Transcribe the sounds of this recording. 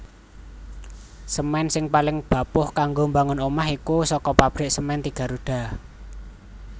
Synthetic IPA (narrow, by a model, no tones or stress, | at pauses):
səmɛnsɪŋpalɪŋb̥ä̤pʊhkaŋɡombaŋʊnomahikusɔkɔpab̥ɾɪʔsəmɛnt̪iɡ̥ä̤ɾuɖ̥a̤